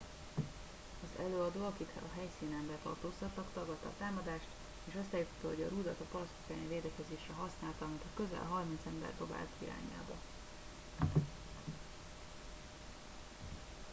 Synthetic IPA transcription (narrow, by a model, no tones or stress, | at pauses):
ɒzɛløːɒd̪oːɒkit̪hɛɒɦɛjsiːnɛmbɛt̪ɒ̰rt̪oːst̪ɒt̪lɒkt̪ɒɡɒt̪ːɒ̰ːt̪aːmɒd̪aːʃt̪ | eːʃost̪ːaːjut̪ɒ̥t̪ːɒɦo̞ɟɒɾuːd̪ɒt̪ɒpɒɾɒst̪u̥kaːniveːd̪ɛkɛzeːʃɛɦɒsnaːlt̪ɒmit̪ʰɒkø̞zɛ̰lɦɒrmint̪sɛmbɛ̰rd̪oba̰ːlt̪ḭɾa̰ːɲa̰ːbɒ